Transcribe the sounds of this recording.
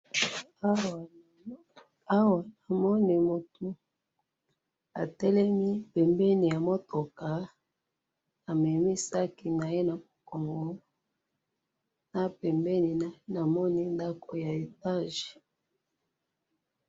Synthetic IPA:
a˦wa˨na˨mɔ˦ni˨mo˨tu˨ | a̰˨tɛ˦lɛ˦mi˦pɛ˨mbɛ˦ni˨ja˨mo˦to˨ka˨ | a˨mɛ˨mi˦sa˦ki˨na˨je˦na˨mo˨ko˨ŋɡo˦ | na˦pɛ˨mbɛ˦ni˨na˨jna˨mɔ˦ni˦nda˦ko˨ja˨e˨ta˦ʒe˨

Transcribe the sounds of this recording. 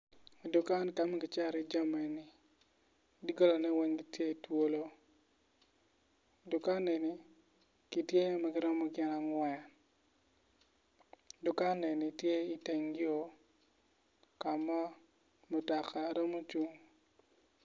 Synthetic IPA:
du˨ka˦nka˦ma˦ɡɪ˨t͡ʃa˦ɾɪ˨d͡ʒa˦mɛ˨nɪ˨ | di˦ɡɔ˦lɔ˨nɛ˦we˦ŋɡi˦tje˦i˨two˦lo˦ | du˨ka˦nɛ˨ni˦ | ki˦tje˦ma˨ɡɪ˦ɾɔ˦mɔ˦ɡɪ˦na˨ŋwɛ˨ | du˨ka˦nɛ˨ni˨tje˦i˦te˨ŋɡɪ˦o˦ | ka˨ma˦ | mɔ˨ta˨kʰa˨ɾɔ˦mɔ˦t͡ʃu˦ŋ

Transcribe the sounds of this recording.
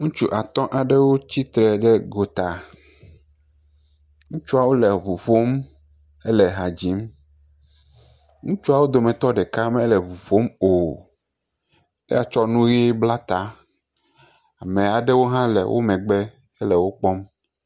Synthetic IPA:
ŋũ˦t͡ʃu˦ʔa˨t̪ɔ̃˦ʔa˨ɖɛ˦wo˦t͡ɕi˦t̪ɾɛ˨ɖɛ˦ɡo˨t̪a˨ | ŋũ˦t͡ʃu˦a˨wo˦lɛ˨βu˨ɸo˦m | ɛ˦lɛ˨ɦa˨d͡ʑi˨˦m | ŋũ˦t͡ʃu˦a˨wo˦d̪o˨mɛ̃˨t̪ɔ˦ɖɛ˨ka˦mɛ˦lɛ˨βu˨ɸo˦mo˨ | e˦ja˨t͡ʃɔ˦nũ˦ɣi˦e˦bla˦t̪a˦ | a˨mɛ̃˨a˨ɖɛ˦wo˦ɦã˦lɛ̰˨wʔo̰˦mɛ̃˨ɡ͡bɛ˦ | ɛ˦lɛ˨wo˦k͡pɔ˦m

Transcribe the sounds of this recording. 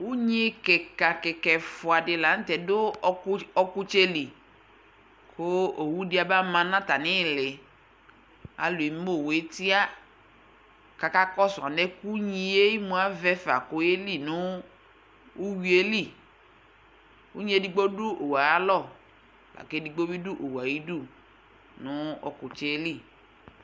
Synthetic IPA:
u˦ɲi˦kɛ˨ka˨kɛ˨kɛ˨fʊ˨a˨dɪ˨la˨n̩˦tɛ˨dʊ˦ɔ˦kʊ˦t͡ʃe˦li˨ | kʰʊ˦o˨wu˦dɪ˨˦a˨ba˦mã˨˦nã˦ta˨nɪ˦˨lɪ˨ | a̰˨lʊ˨e˨m˦mo˦˨we˨˦ti˦a˦ | ka˨ka˦kɔ˦sa˨nɛ˦ku˦ɲĩ˦e˦i˦mũ˦a˦vɛ˦fa˨kʊ˦je˦li˦˨nʊ˦ | u˦wi˦e˦li˦˨ | u˦ɲĩ˦e˦di˦ɡ͡bo˦du˦ʔo˨wa˨a˦lɔ˦˨ | la̰˨ke˦di˨ɡ͡bo˦bi˦du˦ʔo˨wa˨ji˦du˦˨ | nʊ̃˦ɔ̰˨kʊ˨t͡ʃe˦li˦˨

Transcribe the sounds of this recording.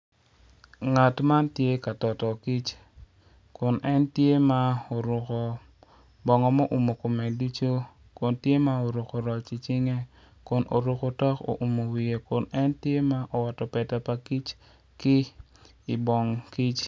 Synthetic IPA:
ŋa˨tma˦ntje˦ka˨tɔ˨tɔ˨ki˦t͡ʃ | kʊ˨nʔɛ˦ntje˦ma˦o˨ɾʊ˨kɔ˨ | bɔ˨ŋɔ˨mo˦ʔu˨mo˨ko˨mɛ˨du˦t͡ʃo˦ | kʊ˨ntje˦ma˦o˨ɾo˨ko˨ɾɔ˨t͡ʃi˨t͡ʃɪ˦ŋe˦ | kʊ˨nʔo̰˨ɾo˨ko˨tɔ˦ko̰˨ʔu˨mo˨wi˨e˨kʊ˨nɛ˦ntje˦ma˦ʔo˨wa˨tɔ˨pɛ˨ta˨pa˨ki˦t͡ʃ | kɪ˦ | i˨bɔ˨ŋki˦t͡ʃ

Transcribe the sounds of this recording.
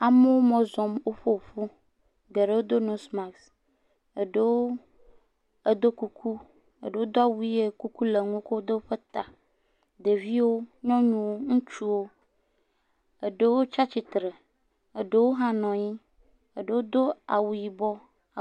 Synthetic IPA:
a˨me˦wo˦mɔ̃˦zɔ˨mwo˦ɸo˦˨ɸu˦ | ɡe˨ɖe˦wo˦d̪o˦nũ˨˦sma˨ks | e˨ɖe˦˨wo˦ | e˦d̪o˦ku˦kʰu˦ | ḛ˨ɖe˨wo˦d̪o˦a˨wu˦i˦e˦ku˦ku˦le˨ŋũ˦ko˦wo˦d̪e˦wo˦ɸe˦t̪a˨ | d̪e˨vi˦wo˦ɲɔ̃˦ɲũ˦wo˦ŋũ˦t͡ʃu˦wo˦ | e˨ɖe˦wo˦t͡ʃa˦t͡ɕi˨t̪ɾe˨ | e˨ɖe˦wo˦ɦã˦nɔ̃˨ɲĩ˦ | e˨ɖe˨wo˦d̪o˦a̰˨wu˨ji˨bɔ˦˨

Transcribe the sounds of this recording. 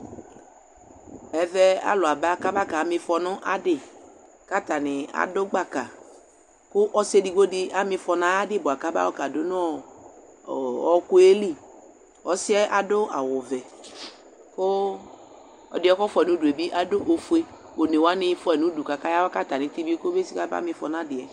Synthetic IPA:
ɛ˨vɛ˦a̰˨lʊ˨a˨ba˦ka˦ba˦ka˨a˨mɪ̃˧fɔ˨nʊ̃˦ʔa˦dɪ˦˨ | ka˦t̪a˨nɪ˨a̰˨dʊ˦ɡ͡ba˦ka˨ | kʊ˦ʔɔ˦se˦di˨ɡ͡bo˦dɪ˦a˦mɪ̃˧fɔ˨nã˨˦a˦dɪ˦bʊ˨a˨ka˦ba̰˦wɔ˦ka˨dʊ˦nʊ̃˦˨ | ɔ˦kʊ˦e˦li˦˨ | ɔ˨sɪ˦ɛ˦ʔa˨dʊ˦a̰˨wʊ˨vɛ˨ | kʊ˦ | ɔ̰˨dɪ˦ɔ˦kɔ˦fɔ˦ɛ˨nʊ̃˨˦du˨e˨bi˦ʔa˨dʊ˦ʔo˨fe˦ | o˨ne˨wa˦nɪ̃˧fʊ˦ɛ˨nũ˨˦du˨ka˨ka˦ja˦wɔ˦ka˦t̪a˨nɪ̃˨ti˦bi˦kʊ˦be˦si˦ka˦ba̰˦mɪ̃˧fɔ˨n˦a˦dɪ˨ɛ˨

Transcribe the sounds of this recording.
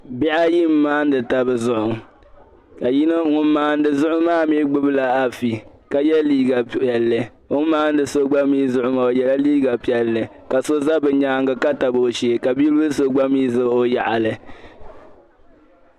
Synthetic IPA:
bi˦ʔa˦ji˦m̩ː˦aː˦n̩˦dɨ˨ta˨bɨ˨zʊ˦ʔʊ˨ŋ | ka˨ji˦nɨ˦ŋʊ˦mː˦aː˦n̩˦dɨ˨zʊ˦ʔʊ˦maː˦˨mi˦ɡ͡bɨ˦bɨ˦la˨a˨fi˨ | ka˨jɛ˦liː˦ɡa˨ɛ˨lːɨ˨ | o˦maː˦n̩˦dɨ˨so˦ɡ͡ba˦miː˦zʊ˦ʔʊ˦ma˨o˨jɛ˨la˦liː˦ɡa˨pi˨ɛ˨lːɨ˨ | ka˨so˦za˦bɨ˨ɲaː˦ŋɡɨ˨ka˦ta˨bo˨o˨ʃe˨ka˨bi˦lɨ˦bɨ˦so˦ɡ͡ba˦miː˦zɨ˦o˦ja˨ʔa˨lɨ˨

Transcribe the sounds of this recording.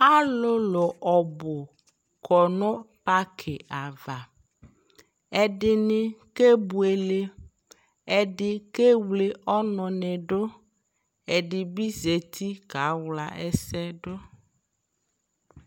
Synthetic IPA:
a˦lo˦lɔ˨ʔɔ˨bo˨ | kʰɔ˨nɔ̃˦pa˦kʰe˨ʔa˨va˨ | ɛ˨ɖɪ˨nɪ̃˦ke˦bu˨e˨le˦ | ɛ˨ɖɪ˦ke˦wle˨ʔɔ˦nɔ̃˨nɛ̃˨ɖo˦ | e˨ɖɪ˨bi˦ze˨t̪ʰi˦ka˨˦wla̰˨ʔɛ˦sɛ˦ɖo˦

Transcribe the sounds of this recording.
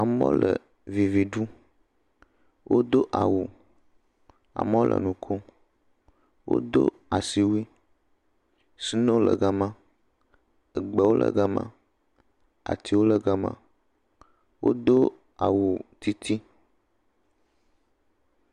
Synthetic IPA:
a˨mɔ̰̃˦lə˨ | vi˨vi˨ɖu˦ | wʔo˦d̪o˦ʔa˨wu˨ | a̰˨m˦wo˦lʔə̰˨nũ˨kʰo˦ | wʔo̰˦d̪o̰˦ | a˨si˨wi˦ | si˦nẽ˦wo˦lə˨ɡa˦mã˦ | ə˨ɡ͡bɛ˨wo˦lʔə̰˨ɡa˦mã̰˦ | a̰˨t̪i˦wo˦lə˦ɡa˦mã̰˦ | wʔo̰˦d̪o˦ | a˨wu˨t̪i˦t̪ʰi˦

